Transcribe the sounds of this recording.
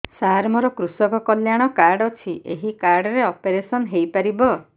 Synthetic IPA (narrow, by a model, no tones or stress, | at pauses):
saɾmɔɾɔkɾusɔkɔkɔljaɽ̃ɔkaɾɖɔt͡ʃʰiʔeɦikaɾɖɔɾeɔpeɾesɔnɦejpaɾibɔ